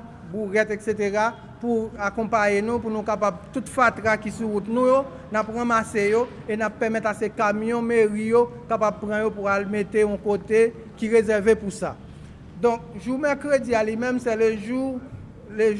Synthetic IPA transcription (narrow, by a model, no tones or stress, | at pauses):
buɣɛt̪ekset̪eʁa | puakɔ̃pajenũpunũkapab̚t̪ut̪fat̪ʁakisuʁut̪nũjo | napʁãmasejo | enapːɛmɛt̪asekamjɔ̃meʁijokapab̚pʁãjopualmet̪eɔ̃kot̪e | kiʁezɛʁvepusa | d̪ɔ̃k̚ʒumɛkʁed͡zialimɛ̃msɛleʒu | le